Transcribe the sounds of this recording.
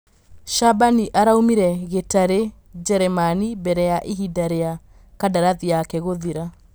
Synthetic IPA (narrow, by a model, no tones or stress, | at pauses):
ʃabaniʔaɾaumiɾɛɣetaɾe | d͡ʒɛɾɛmanibɛɾɛjaʔeɦidaɾea | kadaɾaðiakɛɣoðiɾa